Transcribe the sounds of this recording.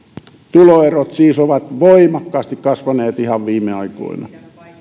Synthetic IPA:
t̪uloerot̪siːsoʋɑt̪ʋoimɑkːɑːst̪ikkɑsʋɑneːt̪ihɑʋʋiːmˑeɑiko̰inɑ̰

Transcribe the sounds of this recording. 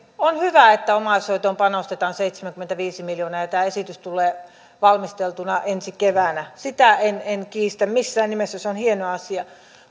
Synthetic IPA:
onhyʋæˑet̪ːæomɑsˑoˑit̪ompɑnost̪et̪ɑːnseit̪semæŋkyment̪æʋiːsimiljoːnɑjɑt̪æːesit̪yst̪uleː | ʋɑlmist̪elt̪unɑʔensikeʋænæsit̪æenenkiːst̪æmmisːæːnnimesːæseonhienoɑɑsiɑ

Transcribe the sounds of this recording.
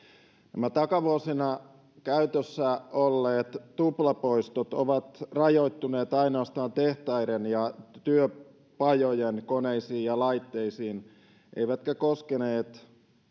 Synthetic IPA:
næmæt̪ɑkɑʋuosinɑ | kæyt̪øsːæolːeːt̪t̪uplɑpoist̪ot̪oʋɑt̪rɑjoit̪ːuneːt̪ɑinoɑst̪ɑːnt̪eht̪ɑiɾenjɑt̪yø | pɑjojenkoneisiːjjɑlɑit̪ːeisiːn | ʔḛiʋæt̪kækoskeneːt̪

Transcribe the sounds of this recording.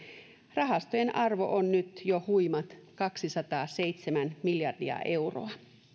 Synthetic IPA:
rɑɦɑst̪ojenʔɑrʋo̞̰ʔonːyt̪johujmɑt̪kɑksisɑt̪ɑːsejt̪semænmiljɑrdiɑ̰ʔe̞uro̰ɑ

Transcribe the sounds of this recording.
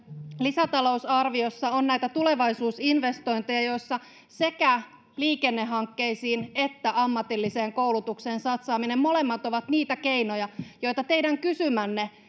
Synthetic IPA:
lisæt̪ɑlo̞usɑrʋio̞sːɑonnæjt̪æt̪uleʋɑisuːsinʋe̞st̪o̞jnt̪ejɑjo̞jsːɑ | se̞kæ | liːke̞nːeɦːɑŋkːe̞isiːne̞t̪ːæʔɑmːɑt̪ilːise̞ːŋkoulut̪ukse̞ːnsɑt̪sɑːminemmo̞le̞mːɑt̪o̞ʋɑt̪niːt̪æke̞inojɑjo̞jt̪ɑt̪eidæŋkysymænːe

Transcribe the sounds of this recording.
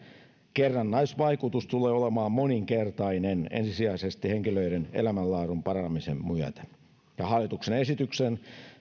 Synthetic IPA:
kerːɑnːɑisʋɑikut̪ust̪uleːolemɑːmmoniŋkert̪ɑinenḛnsisiæisest̪iheŋkiløiɾenḛlæmælːɑːrumpɑrɑmisemmyøt̪æ̥ | jɑhɑlːit̪uksenesit̪yksen

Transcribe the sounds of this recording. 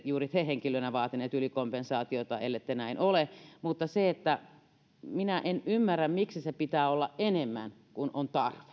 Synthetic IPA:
juːrit̪eheŋkilønæʋɑːt̪ineːt̪ylikompensɑːt̪iot̪ɑḛlːet̪ːenæinolemut̪ːɑseet̪ːæ | minæʔenymːærːæmmiksisepit̪æːolːɑʔʔenemːæ̰n | kunʔont̪ɑrʋe̥

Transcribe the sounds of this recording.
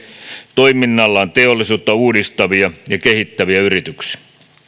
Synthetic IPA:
t̪oiminːɑlːɑont̪eolːˑisuːt̪ːɑuːdist̪ɑʋiɑjɑkehit̪ːæʋiæyrit̪yksi̥æ

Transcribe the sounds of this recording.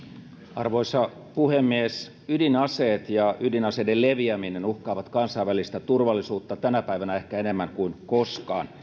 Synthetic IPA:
ɑrʋo̞isɑ | puhemːies | ydinɑseːt̪jɑydinɑsedelleʋiæminenuhkɑːʋɑt̪kɑnsɑiʋælist̪æt̪urʋɑlːisuːt̪ːɑt̪ænæpæiʋænæehkæenemːæŋkuinkoskɑ̰ːn

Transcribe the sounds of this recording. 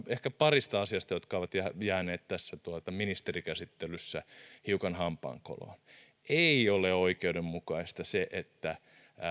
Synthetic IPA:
ehkæpɑrist̪ɑɑsiɑst̪ɑjot̪kɑoʋɑt̪jæjæːneːt̪t̪æsːæt̪uot̪ɑminist̪erikæsit̪ːelysːæhiukɑnhɑmpˑɑ̰ːŋko̰lo̰ | eioleoikeudemmukɑist̪ɑseʔet̪ːæ

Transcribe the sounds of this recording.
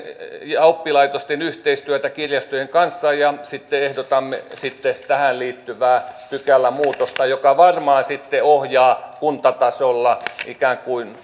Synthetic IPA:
jɑupːilɑit̪ost̪enyht̪eist̪yæt̪ækirjɑst̪ojeŋkɑnsːɑjɑsit̪ːeehdot̪ɑmːesit̪ːet̪æhænliːt̪ːyʋæːpykælːæmuːt̪ost̪ɑjokɑʋɑrmɑːsit̪ːeohjɑːkunt̪ɑt̪ɑsolːɑikæːŋkuin

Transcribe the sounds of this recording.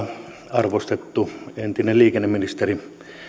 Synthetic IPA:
ɑrʋost̪et̪ːuent̪inelliːkenːeminist̪eri

